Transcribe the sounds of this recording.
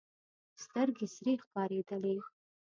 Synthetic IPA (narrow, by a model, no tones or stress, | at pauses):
st̪ərɡʲɪsriχpʰaɾedəle